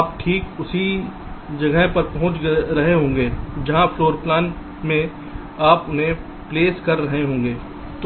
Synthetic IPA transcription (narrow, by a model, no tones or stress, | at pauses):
aːp̚ʈʰiːkʊsi | d͡ʒɐɡəpɐɾpɐɦʊ̃t͡ʃɾɐɦeɦõːŋ̆ɡeːd͡ʒɐɦãfloːɾplaːn | mẽ | aːpʊnɦẽ | pleːskɐɾːɐɦeɦõːŋ̆ɡeː | t̪ː